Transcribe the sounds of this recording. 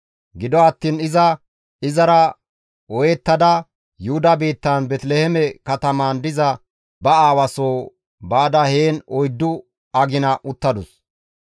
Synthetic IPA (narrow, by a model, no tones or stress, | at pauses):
ɡɪd̪ɔɐt̪ːiːnɪzɐ | ɪzɐɾɐ | ɔjɛt̪ːɐd̪ɐ | jʊhʊd̪ɐbiːt̪ːɐnbɛt̪lehɛmɛkɐt̪ɐmaːnd̪ɪzɐ | bɐaːwɐsoː | baːd̪ɐheːnɔjd̪ːʊ | ɐɡɪnɐʔʊt̪ːɐd̪ʊs